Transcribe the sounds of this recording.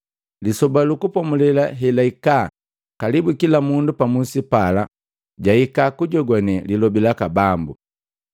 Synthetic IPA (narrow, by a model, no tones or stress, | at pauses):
lisɔbalukupɔmulɛlaɦɛlaika | kalibukilamundupamusipala | ɟaikakuɟɔɡwɔnɛlilɔbilakabambu